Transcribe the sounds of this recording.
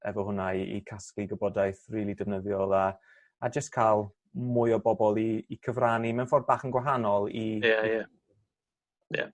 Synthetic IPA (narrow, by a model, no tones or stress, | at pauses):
ɛ̰vɔɦʊnaiḭkʰaskiɡəbɔdajθriːlˠidəvnəðjɔlˠaː | d͡ʒəstkʰalˠ | mʊɨɔbɔbɔlˠiːkʰəvranimɛnfɔrd̚baːχənɡwaɦanɔlˠijaja | ja̰